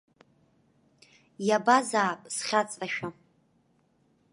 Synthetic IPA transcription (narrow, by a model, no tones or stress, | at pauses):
jabazaːpʼsχʲat͡sʼraʃᶣa